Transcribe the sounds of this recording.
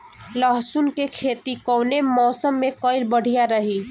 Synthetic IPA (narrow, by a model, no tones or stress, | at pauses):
ləɦsunkekʰeːt̪ikɔːnemɔːsəmːẽkɔɪlbəɽ̤ijaɾəɦi